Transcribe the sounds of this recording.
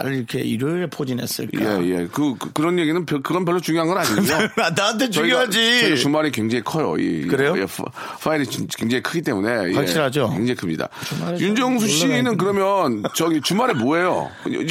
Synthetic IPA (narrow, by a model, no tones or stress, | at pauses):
a̰ɯiɾʌkʰeiɾɯepʰod͡ʑinḛs͈ɯ̰ɭj̰je̞̰kɯkɯɾʌnjeɡinɯnpjʌkɯɡʌnpjʌɭːot͡ɕuŋjoɦanɡʌnaɲiɡujoanaant̬ʰet͡ɕʌuijoɦad͡ʑit͡ɕʌit͡ɕumaɾikeŋd͡ʑe̞ŋikʰʌjo̰jḛkɯɾejojḛ | fʰaeɾit͡ɕk͈eŋd͡ʑeŋikʰɯɡit͈e̞mune̞jḛɕ͈iɭɦad͡ʑokeŋd͡ʑeŋikʰɯmɲida̰jund͡ʑʌŋsʰuɕ͈inɯnk̬ɯɾʌmjʌnt͡ɕʌɡit͡ɕumaɾeɭmoejo̰